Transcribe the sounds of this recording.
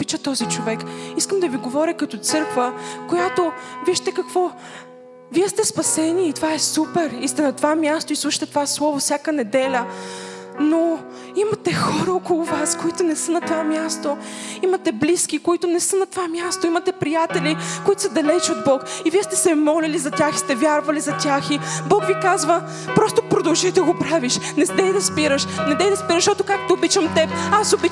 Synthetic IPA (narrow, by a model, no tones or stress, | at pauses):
pit͡ʃət̪ɔzit͡ʃovɛkiskəmd̪ɐviɡovɔɾʲəkɐt̪ɔt̪sɤɾkvəkojat̪oviʃt̪ɛkɐkvɔ | viɛst̪ɛspɐsɛniːt̪ovaɛsupɛɾist̪ɛnɐt̪ovamʲjast̪oislˠuʃə̥t̪ɛt̪ovaslˠɔvofsʲjakənɛd̪ɛlʲə | no | imɐt̪ɛxɔɾəokolˠʊvaskoit̪ʊnɛsənɐt̪ovamʲjast̪o | imɐt̪ɛbliskikoit̪ʊnɛsənɐt̪ovamʲjast̪oimɐt̪ɛpɾijat̪ɛlikoit̪ʊ̥sɐd̪ɐlɛt͡ʃod̪̚bɔkiviɛst̪ɛsɛmɔlɛlizɐt̪ʲaxi̥st̪ɛvʲjaɾvɐlizɐt̪ʲaxibɔkvikazvə | pɾɔst̪opɾod̪ɐlˠʒid̪ɐɡopɾaviʃnɛd̪ɛjd̪ɐspiɾəʃnɛd̪ɛjd̪ɐspiɾəʃt̪ɔt̪ʊkakt̪oobit͡ʃɐmt̪ɛpasobi